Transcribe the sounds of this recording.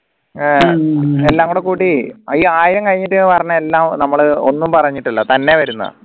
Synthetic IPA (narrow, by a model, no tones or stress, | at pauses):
elːaːŋɡoɽekuːʈːiɐiaːjiɾɐŋkɐɻiɲːiʈːɨpɐrɐɲːɐelːaːmnɐmːɐɭɨo̞̰nːumpɐrɐɲːiʈːilːɐt̪ɐnːe̞ʋɐɾunːɐ̰ð